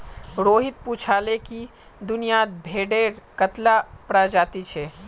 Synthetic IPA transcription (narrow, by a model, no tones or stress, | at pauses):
ɾoːɦɪt̪̚put͡ʃʰaːleki | d̪ʊnijad̪̚bʱeːɖeːɾkət̪lapɾad͡ʒaːt̪it͡ʃʰɛ